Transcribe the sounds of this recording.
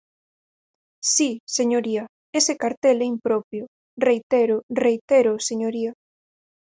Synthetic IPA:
siseɲoɾia | esekaɾt̪eleimpɾopjo | rejt̪eɾorejt̪eɾoseɲoɾia

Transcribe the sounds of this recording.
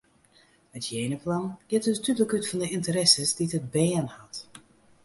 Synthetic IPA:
ətʰjeːnəplɑnɡ̥ɪtətyləkytfɔndəɪntəɾɛsəsditəd̚bɛːənhɑt

